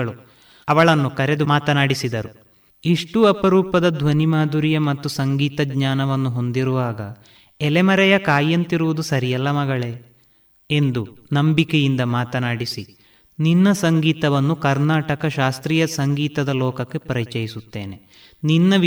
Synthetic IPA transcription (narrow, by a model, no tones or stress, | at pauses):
ɐɭu | ɐʋɐɭɐnːukɐɾe̞d̪umaːt̪ɐnaːɽisid̪ɐɾu | iʂʈuɐpɐɾuːpɐd̪ɐd̪ʱʋɐnimaːd̪uɾijɐmɐt̪ːusɐŋɡiːt̪ɐɡɲaːnɐʋɐnːuɦo̞nd̪iɾuʋaːɡɐ | ɛlemɐɾɛjɐkaːjːɐnt̪iɾuʋud̪usɐɾijɛlːɐmɐɡɐɭe̞ | e̞nd̪unɐmbikejind̪ɐmaːt̪ɐnaːɽisi | ninːɐsɐŋɡiːt̪ɐʋɐnːukɐɾnaːʈɐkɐʃaːst̪ɾiːjɐsɐŋɡiːt̪ɐd̪ɐlɔːkɐkːe̞pɐɾit͡ʃɐjisut̪ːḛːne̞ | ninːɐʋ